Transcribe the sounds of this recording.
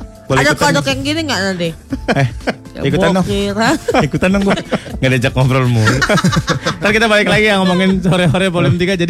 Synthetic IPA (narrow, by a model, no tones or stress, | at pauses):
bladak̪adɔkjaŋɡiniŋaʔnant̪ɪɛhikuanɔŋiɾaikut̪anːɔŋɡŋɡadad͡ʒakːɔmfɾɔlmu | t̪aɾkit̪abalɪklaɡijaŋɔmɔŋɪnsoɾɛɦoɾɛpolɪmt̪iɡad͡ʒadi